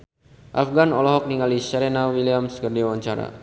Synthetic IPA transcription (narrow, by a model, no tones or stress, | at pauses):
ʔafɡanɔlɔɦɔk̚niŋalisəɾɛnawiliamskərdiawaɲt͡ʃaɾa̰